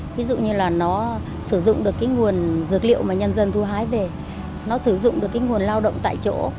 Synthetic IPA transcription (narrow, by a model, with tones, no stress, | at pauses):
vi˨˦zṵ˧˨ɲɨ˧laː˨˩nɔ˨˦ | sɨ˧˩zʊ̰˧˨ŋ͡mɗɨ˨˩əkːaː˨˦jŋu˨˩ənzɨ˨˥ək̚lḭ˧˨əwmaː˨˩ɲə˧nzə˧nt̪ʰu˧ɦaː˨˦jve˨˩ | nɔ˨˦sɨ˧˩zʊ̰˧˨ŋ͡mɗɨ˨˩əkːjŋu˨˩ənlaː˧wɗə̰˧˨wŋ͡mt̪a̰ː˧˨jt͡ɕo̰˧˥